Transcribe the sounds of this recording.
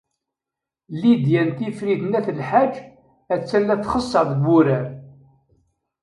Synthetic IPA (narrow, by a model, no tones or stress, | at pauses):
lid̪jænt̪ifɾiðnæθəlħad͡ʒː | æt͡sːælːæθχəsˤːɑðˤɡuɾæɾ